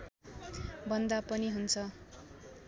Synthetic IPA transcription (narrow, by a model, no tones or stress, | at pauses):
bʱʌnd̪apʌniɦunt͡sʰʌ